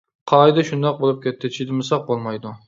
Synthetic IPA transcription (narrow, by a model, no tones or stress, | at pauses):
qʰɑjd̪ɑʃund̪ɑq̚bolˠɨp̚kʲɛt̪ʰːɪʃid̪ɪmɪsɑq̚bolˠmɑjd̪u